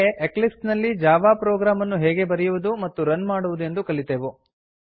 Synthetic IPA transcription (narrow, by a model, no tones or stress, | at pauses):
eʔeklipsnɐlːid͡ʒaːʋaːpɾɔːɡɾaːmɐnːuɦɛːɡe̞bɐɾɛjuʋud̪umɐt̪ːuɾɐnmaːɽuʋud̪ue̞nd̪ukɐɭit̪eːʋu